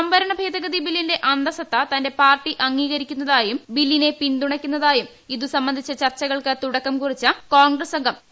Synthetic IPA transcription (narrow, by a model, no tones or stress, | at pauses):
sɐmbɐɾɐɳɐbʱeːd̪ɐɡɐðibilːinde̞ʔɐnd̪ɐsɐt̪ːɐt̪ɐnde̞paːrʈːiʔɐŋːiːɣɐɾikʲːunːɐðaːjumbilːine̞pind̪uɳɐkʲːunːɐðaːjum | iðusɐmbɐnd̪ʱit͡ɕːɐt͡ɕɐrt͡ɕːɐɣɐɭkɨt̪uɽɐkːɐmkurit͡ɕːɐko̞ːnɡrɐsɐŋɡɐm